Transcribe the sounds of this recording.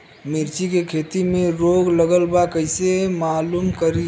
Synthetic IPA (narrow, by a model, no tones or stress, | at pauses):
mɪɾt͡ʃikekʰeːt̪imẽɾoːɡləɡəlbakəɪsemaːluːmkəɾi